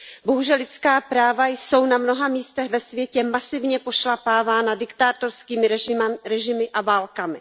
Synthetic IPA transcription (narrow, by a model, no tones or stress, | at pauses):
bo̞ɦuʒɛlɪt͡skaːpɾaːvajso̞wnamno̞ɦamiːst̪ɛɣvɛsvjɛcɛmasɪvɲɛpo̞ʃlapaːvaːnadɪkt̪aːt̪o̞ɾskiːmɪɾɛʒɪmɪʔavaːlkamɪ̰